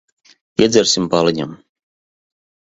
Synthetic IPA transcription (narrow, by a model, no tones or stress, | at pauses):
iɛd̪zɛɾsimpalˠiɲa̰m